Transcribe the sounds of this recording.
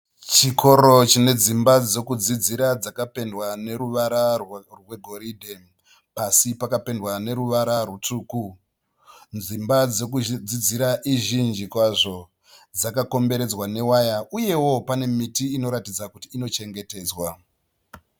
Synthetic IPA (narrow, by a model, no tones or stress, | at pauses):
t͡ʃikʰo̞ɾo̞t͡ʃine̞d͡zimbad͡zo̞kud͡zid͡ziɾad͡zakape̞ndwane̞ɾuʋaɾarwe̞ɡʱo̞ɾidʱe | pasipakape̞ndwane̞ɾuʋaɾarutuːku | nzimbad͡zokud͡zid͡ziɾaʔiʒind͡ʒikwaʐo̞ | d͡zakako̞mbe̞ɾe̞d͡zwane̞wajauje̞wo̞pane̞mitiːno̞ɾatid͡zakutiːno̞t͡ʃe̞ŋɡe̞te̞ːd͡zwa